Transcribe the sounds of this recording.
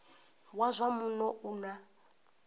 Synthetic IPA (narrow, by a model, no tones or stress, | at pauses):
wazʷamunɔʔuna